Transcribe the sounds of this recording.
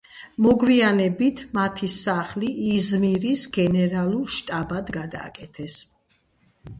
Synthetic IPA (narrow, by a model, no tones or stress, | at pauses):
mɔɡvianɛbit̪ʰmat̪ʰisaχliʔːzmiɾisɡɛnɛɾalˠuɾʃt̪ʼabad̪ɡad̪a̰ːkʼɛt̪ʰɛs